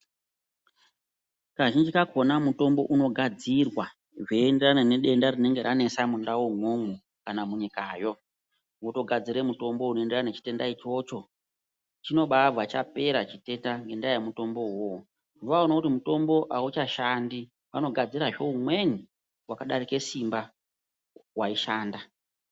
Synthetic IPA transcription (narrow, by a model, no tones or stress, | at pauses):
kaʒind͡ʒikako̞namuto̞mbo̞̰ʔuno̞ɡʱad͡zirwa | ʐeːnde̞ranane̞ɗe̞ndarine̞ŋɡe̞ɾʔane̞samundawoŋomu | kanamuɲikaːjo̞ | woto̞ɡʱad͡ziɾe̞muto̞mbo̞uno̞enderanet͡ʃi̥te̞ndait͡ʃo̞t͡ʃo̞ | t͡ʃino̞ɓavʱat͡ʃa̰pe̞ɾat͡ʃite̞ndaŋɡe̞ndajamuto̞mbo̞ɦwo | ʋaonakutimuto̞mbo̞ʔaut͡ʃaʃandi | ʋano̞ɡʱad͡ziɾaʐe̞umwe̞ni | wakaɗaɾike̞simba | waiʃaːnda